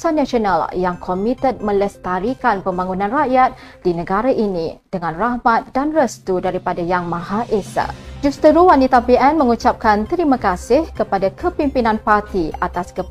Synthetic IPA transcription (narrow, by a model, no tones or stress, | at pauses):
sanaʃionaljaŋkʰomit̪ət̪̚mə̃ləst̪aɾikanpəmbaŋunãnraʔjat̪̚ | dinə̃ɡaɾaʔinḭ̃d̥əŋãnrahmat̪̚danrəst̪udaɾipadajaŋmãɦaʔesa̰d͡ʒust̪əɾuwanit̪apiʔɛnmə̃ŋut͡ʃap̚kant̪əɾimãkasɪhkəpadakʰəpimpinãnpart̪iat̪askə